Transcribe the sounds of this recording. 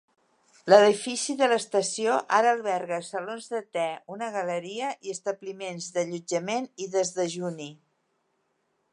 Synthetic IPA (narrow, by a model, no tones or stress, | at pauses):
ləðifisiðələst̪əsioʔaɾəlˠβɛɾɣəsəlonzðət̪ɛunəɣələɾiəʔiəst̪əβlimenzðəʎud͡ʒəmeniðəzðəʒuni